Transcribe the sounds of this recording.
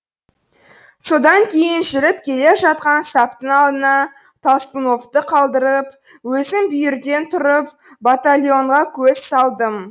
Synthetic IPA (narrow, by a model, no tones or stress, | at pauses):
so̞d̪ɑŋkʲʰe̞jɪnʒɪɾɪp̚kʲʰe̞le̞ʒɑt̪̚qɑnsɑpt̪əŋɑlˠd̪ənɑ | t̪ʰast̪əno̞ft̪əqʰɑlˠd̪əɾəp | wɵzɪmbʏjɪɾd̪e̞nt̪ʰʊɾəp̚ | bat̪alʲjo̞ɴʁɑkʲʰɵz̥sɑlˠd̪əm